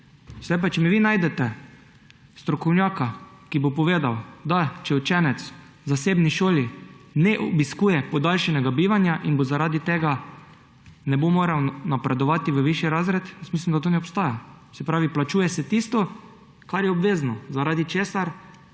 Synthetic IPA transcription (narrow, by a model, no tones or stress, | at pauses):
sɛd̪ajpat͡ʃɛmiʋiːnaːjd̪ɛt̪ɛ | st̪ɾɔkɔwnʲjaːkakibopɔʋeːd̪awd̪at͡ʃɛwt͡ʃɛːnɛt̪s | zaseːbniʃoːlinɛʔɔbiskuːjɛpɔd̪alʃɛnɛɡabiːʋanjaʔinbozaɾaːd̪it̪eːɡa | nɛbomoːɾawnapɾɛd̪ɔʋaːt̪iʋəʋiʃjiɾazɾɛt̪jɛsmis̬limd̪at̪onɛɔpst̪aːja | sɛpɾaːʋiplat͡ʃuːjɛsɛt̪ist̪ɔ | kaɾjɛɔbʋeːznɔzaɾaːd̪it͡ʃeːsaɾ